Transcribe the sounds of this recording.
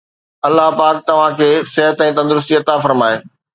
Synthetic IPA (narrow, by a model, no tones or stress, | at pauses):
ɐlːaɦpaːk̚t̪ɐʋ̤ãkʰeːsɪɦət̪ɛ̃ːt̪ɐ̃nd̪ʊɾʊs̬t̪iɐt̪afɐɾmaːeː